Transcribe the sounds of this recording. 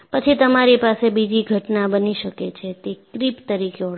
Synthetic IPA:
pət͡ʃʰit̪əmaɾipasebid͡ʒiɡʱəʈnabəniʃəket͡ʃʰet̪ekɾipt̪əɾikeo

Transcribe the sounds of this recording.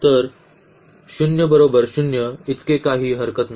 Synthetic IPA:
t̪əɾ | ɕunjəbəɾobəɾɕunjəit̪kekaɦiːɦəɾkət̪n

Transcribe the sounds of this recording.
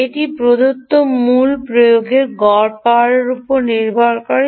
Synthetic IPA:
eʈipɾod̪ot̪ːomulpɾojoɡeɾɡɔɾpaɾeɾupoɾniɾbʱaɾkaɾ

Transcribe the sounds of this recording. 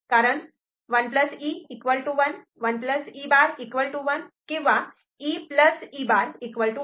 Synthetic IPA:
kaɾəɳ | ʋənpləsiikʋəlʈuʋən | ʋənpləsibaɾekʋəlʈuʋənkĩw̃ʋa | ipləsibaɾekʋəɭʈu

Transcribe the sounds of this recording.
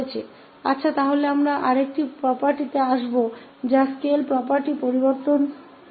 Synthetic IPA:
et͡ɕʰe | a̰tːɕʰat̪aɦoleamɾaʔaɾek̚ʈipɾɔpaɾʈit̪eaʃbo | d͡ʑaskelpɾɔpaɾʈipoɾiboɾt̪on

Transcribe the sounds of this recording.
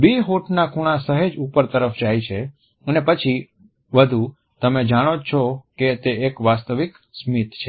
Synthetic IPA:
beɦoʈnakʰuɽ̃asəɦed͡ʒupəɾt̪əɾəfd͡ʒajt͡ʃʰe | ənepət͡ʃʰi | ʋəd̪ʱu | t̪əmed͡ʒaɽ̃ot͡ʃʰoket̪eekʋast̪əʋik | smit̪t͡ʃʰe

